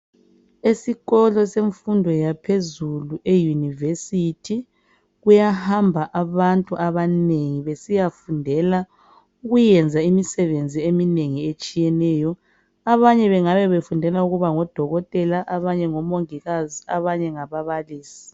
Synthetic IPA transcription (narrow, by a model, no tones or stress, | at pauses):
esiɣɔlɔseɱfundʱɔjapʰezuluʔejunivesitʰi | ɣujahambʱaʔaβantʼuʔaβaneŋiβesijafundʱɛla | uɣujɛnd͡zʱaimisɛβend͡zʱiemineŋiet͡ʃʼijɛnɛːjɔ | aβaɲɛβɛŋaβɛβefundʱɛlauɣuβaŋɔd̥ʱɔɣɔtʼɛlaʔaβaɲɛŋɔmoŋiɣaziaβaɲɛŋaβaβaliːsi̥